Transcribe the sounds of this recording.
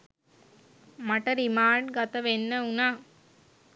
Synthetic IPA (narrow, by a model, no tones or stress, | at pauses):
maʈəɾimaːʈɡat̪əʋenːəunaː